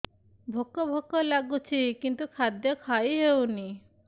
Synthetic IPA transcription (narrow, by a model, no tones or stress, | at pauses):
bʱokːɔbʱokːɔlaɡut͡ɕʰikint̪ukʰad̪jɔkʰajɦewni